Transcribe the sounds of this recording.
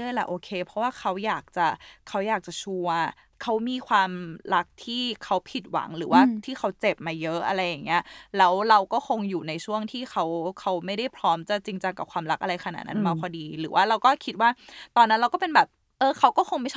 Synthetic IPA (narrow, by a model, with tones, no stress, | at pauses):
ɯ˥˩əjla̰˨˩ʔoː˧kʰeː˧pʰɔ˧˦˥waː˥˩kʰa˦˥wjaː˨˩k̚t͡ɕa˨˩kʰa˦˥wjaː˨˩k̚t͡ɕa˨˩t͡ɕʰu˧ɐ | kʰa˦˥wmiː˧kʰwaː˧mɾa˦˥k̚t̪ʰiː˥˩kʰa˦˥wpʰi˨˩t̪̚wa̰˩˦ŋɾɯː˩˦waː˥˩t̪ʰiː˥˩xʰa˦˥wt͡ɕe˨˩p̚maː˧jɤ˦˥ʔa˧ɾa˧jːa˨˩ŋni˦˥ɐlɛː˦˥wɾa˧wkɔː˥˩xʰo˧ŋjuː˨˩na˧jt͡ɕʰu˥˩əŋt̪ʰiː˥˩xʰa˦˥wkʰa˦˥wma˥˩jɾa˥˩jpʰɾɔː˦˥mt͡ɕa˨˩t͡ɕi˧ŋt͡ɕa˧ŋka˨˩p̚kʰwaː˧mɾa˦˥k̚ʔa˧ɾa˧jkʰa˧na̰˨˩t̪̚na˦˥nmaː˧pʰɔː˧diː˧ɾɯː˩˦waː˥˩ɾa˧wkɔː˥˩kʰi˦˥t̪̚waː˥˩t̪ɔː˧nːa˦˥nɾa˧wkɔː˥˩pe˧nbɛː˨˩p̚ | ʔɤː˧kʰa˦˥wkɔː˥˩xʰo˧ŋma˥˩jt͡ɕʰ